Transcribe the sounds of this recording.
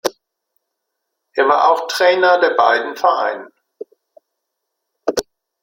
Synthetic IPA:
ʔeɪɐvaːʔaʊxtʁ̥ɛːnɐdeːɐba̰ɪdn̩fɛɐʔa̰ɪnən

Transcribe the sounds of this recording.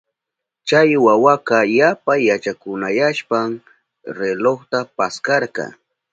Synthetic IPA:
t͡ʃajwawaqɑjapaːat͡ʃakʊnajaʃpaŋ | ɾeloχt̪apaskɑɾqɑ̰

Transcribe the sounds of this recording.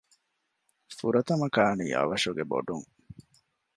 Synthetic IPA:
fuɾɐt̪ɐmɐkaːnḭːʔɐ̰ʋɐʂuɡebo̰ɖuŋ

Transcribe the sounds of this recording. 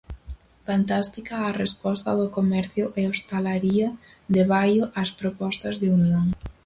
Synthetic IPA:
fant̪ast̪ikɐarespɔst̪ɐðʊkomɛɾθjʊʔɛost̪alaɾiɐ | ðeβajoʔaspɾopɔst̪ɐzðɪunlaŋ

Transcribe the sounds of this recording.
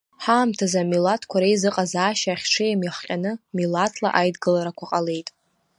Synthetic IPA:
ħaːmtʰazamilatʰkʷʰaɾejzɨqʼazaːʃaːχʲʈ͡ʂʰɨjamjaχqʲʼanɨmilatʰla̰ʔajdɡɨlaɾakʷʰaqʼale̞jtʼ

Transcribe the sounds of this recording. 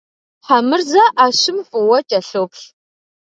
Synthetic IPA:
ħamɨrzɐʔaːɕɪmfɨwɐt͡ʃʼɐɬopɬ

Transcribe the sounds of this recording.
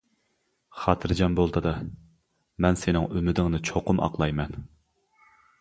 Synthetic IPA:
χɑt̪ʰɨɾd͡ʒɛmbolˠt̪ɨd̪ɑ | mɛnsɪnɪŋymɪd̪ɪŋnɨt͡ʃʰoqʊmʔɑ̰qlˠɑjmɛn

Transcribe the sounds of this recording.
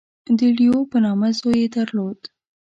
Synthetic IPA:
d̪əɽijopənɑmazojed̪əɾlod̪

